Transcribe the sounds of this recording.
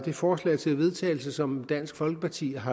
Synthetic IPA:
d̥e̝fɒːslɛ̰ɪt͡sʰe̝lʋe̝ð̞ˠt͡sʰɛ̰ːɪl̩səsɒ̽md̥æn̰sɡ̥fɒ̽lɡ̥əpʰɑ̈t͡sʰḭːɦɑ̈

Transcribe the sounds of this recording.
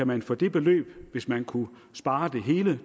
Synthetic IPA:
æmænfɔd̥e̝b̥e̝lø̰ːb̥ʋe̝smænkʰu | sb̥ɑ̈ːd̥e̝ɦe̝ːlə

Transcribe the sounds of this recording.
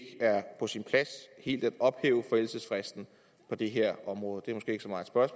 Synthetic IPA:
ɡ̥æɐpʰɒ̽sinpʰlæshe̝̰ːld̥æd̥ɒ̽b̥hḛːʊəfel̩səsfʁɛsd̥n̩ | pʰɒ̽d̥e̝ɦe̝ɐ̰ɒ̽mʁɔ̽ːð̞̩ˠd̥e̝æɐmɔsɡ̥e̝ːeɡ̥sɒmɑ̈ːð̩ˠsb̥ɶɐsm

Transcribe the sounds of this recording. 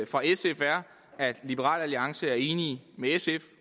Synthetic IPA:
fʁɑ̈esefæɐ̰ | æd̥lib̥eʁɑ̰̈ːlæliɑ̈ŋsəæɐe̝ːnimeesef

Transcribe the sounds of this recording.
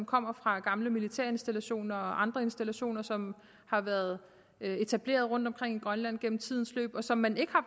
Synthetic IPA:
mkʰɒ̽m̰ɐfʁɑ̈ɡ̥ɑ̈mləmilit͡sʰeɐ̰e̝nsd̥ælæɕo̝̰ːnɐɒ̽ʔɑ̈nd̥ʁɐe̝nsd̥ælæɕo̝̰ːnɐsɒ̽m | hɑ̈ʋæːɐð̞ˠ | e̝t͡sʰæb̥le̝̰ːɐð̞ˠʁɔ̽n̰d̥ɒ̽mkʰʁeŋ̰iɡ̥ʁɶnlæn̰ɡ̥en̰m̩t͡sʰið̞̰ˠn̩slø̰ːb̥ɒ̽sɒ̽mːæne̝ɡ̥əhɑ̈

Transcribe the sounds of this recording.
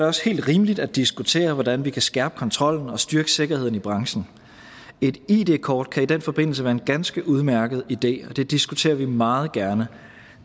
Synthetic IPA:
ɪɒ̽she̝̰ːld̥ʁiːməlid̥æd̥isɡ̥ut͡sʰe̝̰ːɐʋɒdænʋikʰæsɡ̥æɐb̥kʰɒ̽nt͡sʰʁɒ̽l̰n̩ɒ̽sd̥yɐɡ̥əse̝ɡ̥ɐhe̝ð̰ˠn̩ib̥ʁɑ̈ŋɕn̩ | e̝d̥iːd̥e̝̰ːkʰɒːd̥̚kʰæid̥enfɒ̽b̥e̝n̰l̩s̬əʋæːɐenɡ̥ænsɡ̥əʔuð̞ˠmæɐɡ̥əð̞̩ˠid̥e̝̰ːɒ̽d̥e̝d̥isɡ̥ut͡sʰe̝̰ːɐʋimɑ̈ːð̞̩ˠɡ̥æɐnə

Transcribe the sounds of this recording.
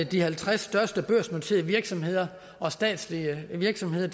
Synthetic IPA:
d̥ihælt͡sʰʁasːd̥ɶɐsd̥əb̥øɐ̰smot͡sʰe̝̰ːð̩ˠʋiɐɡ̥sɒ̽mhe̝ð̞̰ˠɐ | ʔɒ̽sd̥ɛ̰ːd̥sliəʋiɐɡ̥sɒ̽mhe̝ð̞̰ˠɐ

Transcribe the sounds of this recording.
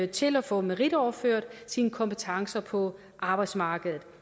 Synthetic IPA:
t͡sʰe̝læfɔ̽mæʁid̥ɒʊɐføɐ̰d̥sinəkʰɒ̽mpʰet͡sʰɑ̈ŋsɐpʰɒ̽ | ʔɑ̈ːb̥ɑ̈ɪd̥smɑ̈ːɡ̥əðˠð̩ˠ

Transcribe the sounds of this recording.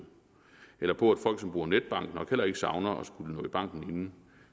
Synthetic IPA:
elɐpʰɒ̽æd̥fɒ̽l̰ɡ̥sɒmb̥ʁuːɐned̥̚b̥ɑ̈ŋ̰ɡ̥nɒ̽ɡ̥hel̰ɐe̝ɡ̥əsɑ̈ʊnɐʔɒ̽sɡ̥ulənɔ̽ːib̥ɑ̈ŋ̰ɡ̥n̩e̝nn̩

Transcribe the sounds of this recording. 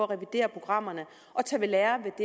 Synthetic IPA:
ɒʁɛʋid̥e̝̰ːɐpʰʁo̝ɡ̥ʁɑ̈m̰ɐnə | ʔɒ̽t͡sʰɛʋe̝lɛːɐʋe̝d̥e

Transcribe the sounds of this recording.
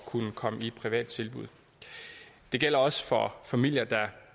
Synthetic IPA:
kʰunəkʰɒ̽məi̥pʰʁiʋɛ̰ːd̥̚t͡sʰe̝lb̥uð̞̰ˠ | d̥e̝ɡ̥el̰ɐɒ̽sə̥fɒ̽fæmil̰jɐd̥ɑ̈

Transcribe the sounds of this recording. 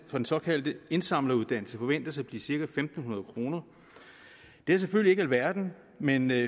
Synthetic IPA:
fɒdensɒ̽kʰæl̰d̥əe̝nsɑ̈m̰lɐuðˠd̥æn̰l̩səfɒ̽ʋen̰d̥ɐsb̥lḭːsiɐɡ̥æfemd̥n̩hunɐð̞̩ˠkʰʁo̝ːnɐ | d̥e̝æɐs̬eføl̰ie̝ɡælʋæɐd̥n̩ | men

